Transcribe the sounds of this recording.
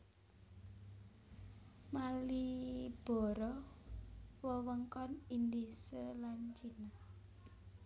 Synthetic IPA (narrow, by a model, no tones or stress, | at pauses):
malib̥ɔ̤ɾɔ | wəwəŋkɔnind̪isəlant͡ʃina